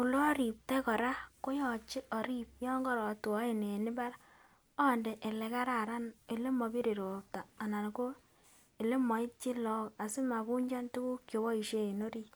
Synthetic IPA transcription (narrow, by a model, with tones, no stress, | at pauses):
u˨lo˦ɔ˦ɾi˨p̚te˦kɔ˨ɾa˦ko˦jɔ˨t͡ʃɪ˦ʔɔ˨ɾi˦p̚jɔ˦ŋɡɔ˦ɾɔ˨tu˨ɔ˦e˨ne˨nɪ˦ba˦ɾ | ɔ˦nde˨ʔe˨le˨ka˦ɾa˨ɾa˦ne˨le˦mɔ˨˧bi˦ɾe˨ɾo˨p̚taː˨na˨n˨ko˦ | e˨le˦mɔ˨ɪ˦t͡ʃɪ˦lɔ˦ka˨sɪ˦ma˨bu˦ɲd͡ʒa˦ntu˦ku˦kjo˨wɔ˦i˨ʃe˦e˨no˦ɾi˦